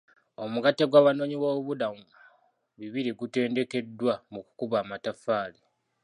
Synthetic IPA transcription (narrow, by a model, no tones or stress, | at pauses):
o̞muɡatːeɡwaːβano̞ːɲiwo̞ːβudamu | βiβiɾiɡute̞ːnde̞ke̞dwamuku̥kuβaːmatafaːle